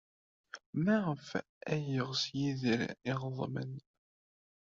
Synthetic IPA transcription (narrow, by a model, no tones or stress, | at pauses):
mæʁəf | æjəʁsjiðəɾiʁðˤmə̰n